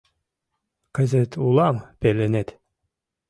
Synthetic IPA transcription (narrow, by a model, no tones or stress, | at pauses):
kɘ̆zɘt̪ʰulˠɑmpelenet̪